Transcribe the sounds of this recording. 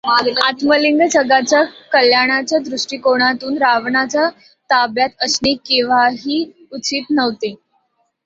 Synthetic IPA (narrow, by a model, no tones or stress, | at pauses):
at̪məliŋɡd͡ʑəɡat͡ɕjakəljaɽ̃at͡ɕjad̪ɾuʂʈiːkoɽ̃at̪uːnɾaʋɳat͡ɕja | t̪abjat̪əsɳiːkĩʋ̤aɦiː | ut͡siːt̪nəʋt̪e